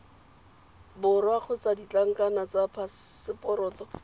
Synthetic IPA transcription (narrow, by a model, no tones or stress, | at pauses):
bʊrwaχʰʊt͡sadit͡ɬaŋ̩kʼanat͡sapʰasɪpɔɾɔːtɔ